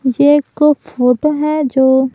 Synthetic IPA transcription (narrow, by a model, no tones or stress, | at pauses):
jekofoːʈoɦɛd͡ʒoː